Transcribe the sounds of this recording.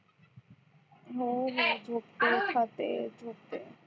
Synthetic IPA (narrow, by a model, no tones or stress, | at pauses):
ɦoɦod͡ʒʱokt̪ekʰat̪ḛd͡ʒʱok̚t̪e